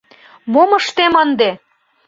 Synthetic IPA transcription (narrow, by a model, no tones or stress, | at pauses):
moməʃt̪emənd̪e